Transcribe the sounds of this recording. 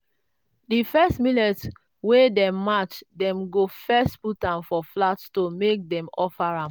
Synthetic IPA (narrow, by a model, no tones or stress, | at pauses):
difɛstminɛt | wedɛmat͡ʃdɛ̃mɡofɛstputãnfɔflattomek̚dɛ̃mɔfaɹã